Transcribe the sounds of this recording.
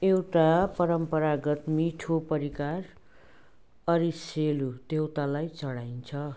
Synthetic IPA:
ewʈapʌɾʌmpʌɾaɡʌt̪miʈʰopʌɾikar | ʌɾiselud̪ewt̪alajt͡sʌɽajnt͡sʰʌ

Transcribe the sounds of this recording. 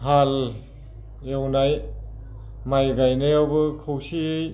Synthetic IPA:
ɦal | ewnaj | majɡajnɯjawbɯkʰɯwsij

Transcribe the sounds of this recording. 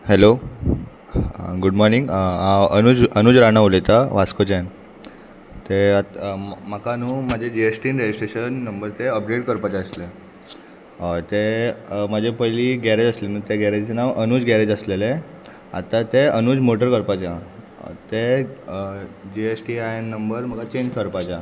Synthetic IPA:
helo | ɡuɽmɔɾniŋɡãənud͡zənuːd͡zɾañaolet̪aʋaskod͡ʑan | t̪eam̤akanuːmad͡ʑʱed͡ʑiesʈinɾed͡ʑisʈɾeɕənːəmbəɾt̪eəp̚ɡɽeʈkəɾpat͡ɕeəsle | t̪emad͡ʑʱepəjliɡɛɾed͡zəslenuːt̪eɡɛɾed͡zt͡senaʋʔənuːd͡zɡɛɾed͡zəslele | a̰t̪ãt̪eənuːd͡zmoʈəɾkəɾpat͡ɕja | t̪e | d͡ʑiesʈiajnːəmbəɾm̤əkat͡ɕeɲd͡ʑkəɾpat͡ɕa

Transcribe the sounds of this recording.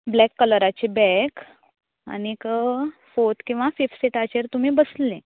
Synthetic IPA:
blɛkːələɾat͡ɕebɛk | a̰nikəfot̪kĩw̃ʋafifseʈat͡ɕeɾt̪um̤iːbəslẽ

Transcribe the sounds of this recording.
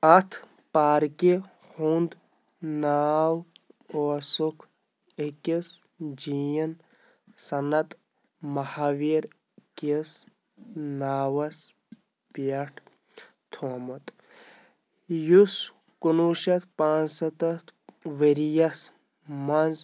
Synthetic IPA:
ɐt̪ʰ | paːɾki | hund̪ | naːwoːsukʰ | ekis | d͡ʒijɐn | sɐnɐt̪ | mɐhaʋiɾ | kes | naːwɐs | pijɐʈʰ | t̪ʰoːmɐt̪ | jus | kunuʃɐt̪ʰpãːnsɐt̪ɐt̪ʋeɾijɐs | mɐnz

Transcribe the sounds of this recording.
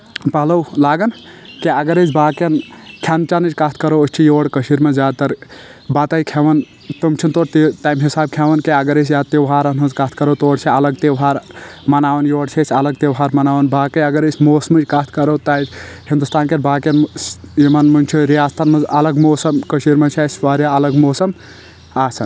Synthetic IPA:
pɐlowlaːɡɐnkeɐɡəɾet͡ʃbaːkɐnkʰjant͡ʃanɨt͡ʃkaːt̪ʰkɐɾoət͡ʃʰijoːɽkəʃiɾmezaːd̪̚t̪ɐɾbat̪ajkʰeʋɐn | t̪ɐmt͡ʃʰint̪oːɽt̪t̪aːjmɦisaːb̚kʰeʋɐnkeɐɡəɾesjaːt̪eʋɦaːɾɐnɦuzkaːt̪ʰkɐɾowt̪oːɽt͡ʃʰiɐləɡt̪eɦaːɾmɐnaːʋɐnjoːɽt͡ʃʰesʲɐləɡ̚t̪ewɦaːɾmɐnaːʋənbaːkeɐɡəɾesʲmoːsmɨt͡ʃkaːt̪ʰkɐɾot̪ajt͡ʃʰhĩnd̪ust̪aːnkenbaːkenimɐnmunʲt͡ʃʰuɾijaːst̪ʰanmɐzɐləɡmoːsɐmkəsiɾmet͡ʃʰasfaɾjaɐləɡmoːsɐm | asɐn

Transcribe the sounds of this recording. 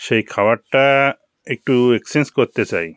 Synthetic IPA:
ʃejkʰawaɾʈa | ek̚ʈueksenskɔɾt̪et͡ʃa̰j

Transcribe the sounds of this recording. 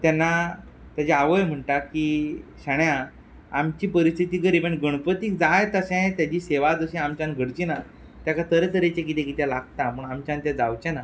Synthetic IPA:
t̪anːa | t̪jad͡ʑeaʋəjm̤əɳʈakiɕaɳja | amt͡ɕiːpəɾist̪ʰit̪iːɡəɾibẽɳɡəɽ̃pət̪iːk̚d͡zajt̪əɕɛ̃jt̪jad͡ʑiːseʋad͡zəɕĩamt͡ɕãnɡʱəɽt͡ɕina | t̪jakat̪əɾet̪əɾet͡ɕẽkit̪ẽkit̪ɛ̃laɡ̚t̪aməɳamt͡ɕãnt̪jãd͡zawt͡ɕana

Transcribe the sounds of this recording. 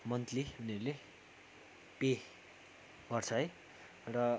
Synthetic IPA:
mʌnt̪liɦuneɾule | pe | ɡ̥ʌrt͡sʰʌɦʌj | rʌ

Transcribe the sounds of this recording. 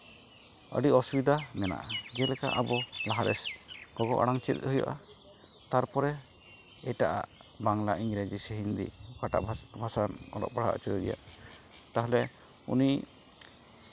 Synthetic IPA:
ə̰ɖiɔsubid̪amɛna̰ʔad͡ʒɛlɛka̰ʔabɔlaɦaɾɛ̰sɡ̥ɔɡɔʔaɽaŋt͡ʃit̪̚ɦuja̰ʔa | t̪aɾpɔɾɛ | ɛʈaʔaʔbaŋlaʔiŋɡɾed͡ʒisɛɦind̪ḭkaʈa̰ʔbʱbʱasanɔ̰lɔ̰ʔ̚baɽ̤a̰ʔt͡ʃuɾiɡɛ̰ja̰ | t̪aɦɛlɛ | ṵni

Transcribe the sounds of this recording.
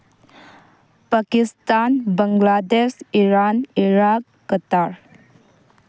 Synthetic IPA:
pakistanbəŋɡladesiɾaniɾakːətaɾ

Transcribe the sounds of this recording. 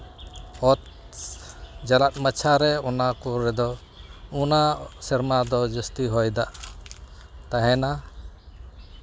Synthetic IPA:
ɔt̪̚ | d͡ʒalat̪̚ˀmat͡ʃʰaɾɛɔnakɔɾɛd̪ɔ | ɔnasɛɾmad̪ɔd͡ʒəst̪iɦɔjd̪aʔ | t̪aɦɛna

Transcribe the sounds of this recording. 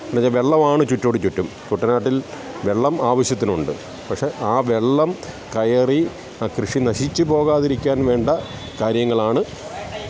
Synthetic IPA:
ɐnːɐɲaʋe̞ɭːɐmaːɳɨt͡ɕutːoːɽit͡ɕutːumkuʈːɐnaːʈːil | ʋe̞ɭːɐmaːʋɐɕjɐt̪ːinuɳɖɨ | pɐkʂe̞ʔaːʋe̞ɭːɐm | kɐjɐri | krɨʂinɐɕit͡ɕːɨpo̞ːɣaːðiɾikʲːaːnʋe̞ːɳɖɐ | kaːɾjɐŋːɐɭaːɳɨ

